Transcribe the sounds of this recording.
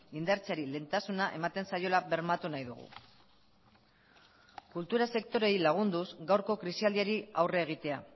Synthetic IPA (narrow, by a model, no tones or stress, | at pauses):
ind̪aɾt͡saɾile̞ːnt̪asunaʔe̞̰mat̪e̞nsajo̞laβe̞ɾmat̪unajðuɣ̞ṵ | kult̪uɾase̞kt̪o̞ɾe̞jlaɣ̞und̪uzɡawɾko̞kɾisiald̪iaɾiawreːɣ̞it̪e̞a